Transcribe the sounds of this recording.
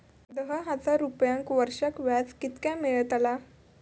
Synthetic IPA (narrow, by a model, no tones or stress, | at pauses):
d̪əɦəɦad͡zaɾupjãŋkʋəɾʂakʋjat͡skit̪kjameɭt̪ala